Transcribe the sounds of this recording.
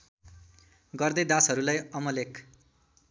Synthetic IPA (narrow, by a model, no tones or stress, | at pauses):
ɡʌrd̪ʌjd̪ãsɦʌɾulajʌmʌlekʰ